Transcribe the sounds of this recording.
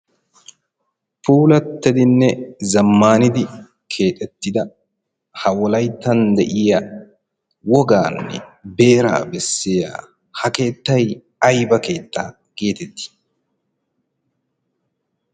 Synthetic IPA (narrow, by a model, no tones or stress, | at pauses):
fuːlɐt̪ːɛd̪ɪnːɛzɐmːaːnɪd̪ɪ | kʰe̞ːt̪ʼɛt̪ːɪd̪ɐ | hɐwɔlɐjt̪ːɐnd̪ɛʔɪjɐ | wɔɡaːnːɛ̰be̞ːɾa̰ːbɛsːɛja̰ | hɐke̞ːt̪ːɐj | ɐjbɐke̞ːt̪ːaː | ke̞ːt̪ɛt̪ːɪ̥